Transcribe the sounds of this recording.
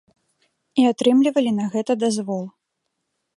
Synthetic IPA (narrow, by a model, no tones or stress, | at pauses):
iat̪ɾɨmlʲivɐlʲinɐɣɛt̪ɐd̪azvɔlˠ